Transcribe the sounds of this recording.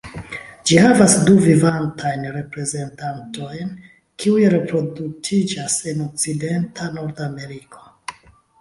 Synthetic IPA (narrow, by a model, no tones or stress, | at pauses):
d͡ʒihavasduvivantʰajnɾe̞pɾe̞ze̞ntanto̞jn | kʰiujɾe̞pɾo̞dutʰid͡ʒase̞no̞k̚t͡side̞ntʰano̞ɾdame̞ɾikʰo̞̥